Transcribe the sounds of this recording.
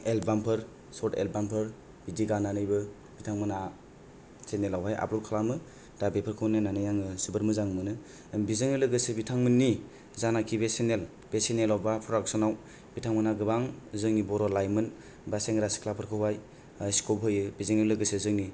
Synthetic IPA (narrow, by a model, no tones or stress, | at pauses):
elbampʰɯɾ | sɔtḛlbampʰɯɾ | bidiɡananɯjbɯ | b̥itʰaŋmɯna | senelawɦaja̰bɾɔlkʰalamɯ | d̥abepʰɯɾkʰɯwnɯnanɯjaŋɯsibɯɾmɯzaŋmɯnɯ | bizɯŋɯlɯɡɯsɯbitʰaŋmɯnːi | zanakʰibesenel | b̥esenelawbapʰɾɔdaksɔnaw | b̥itʰaŋmɯnaɡɯbaŋzɯŋnibɔɾɔlajmɯn | baseŋɾasi̥kʰlapʰɯɾkʰɯwaj | askobɦɯjɯbizɯŋelɯɡɯsɯzɯŋni